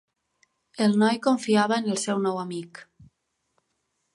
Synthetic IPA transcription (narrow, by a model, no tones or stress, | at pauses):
elˠnɔjkoɱfiaβəenelˠsɛwnɔwamik